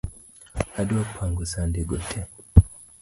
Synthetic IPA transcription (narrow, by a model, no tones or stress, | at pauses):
adopʰaŋɡosandeɡotʰɛ